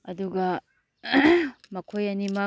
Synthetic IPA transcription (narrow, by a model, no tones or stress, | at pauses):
ɐduɡɐ | mɐkʰojɐnimɐ